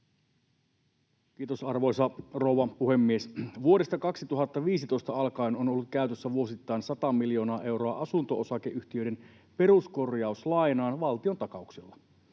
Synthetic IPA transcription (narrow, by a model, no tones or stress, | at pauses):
kiːt̪osɑrʋo̞jsɑrouʋɑpuhe̞mːiesʋuo̞ɾe̞st̪ɑkɑksit̪uɦɑt̪ːɑʋiːsit̪o̞ist̪ɑɑlkɑino̞nolːut̪̚kæyt̪øsːæʋuo̞sit̪ːɑjnsɑt̪ɑmːiljo̞ːnɑːʔe̞wɾo̞ɑʔɑsunt̪o̞osɑkeʔyht̪iø̞jɾen | pe̞ɾusko̞rjɑuslɑinɑːnʋɑlt̪io̞nt̪ɑkɑukselːɑ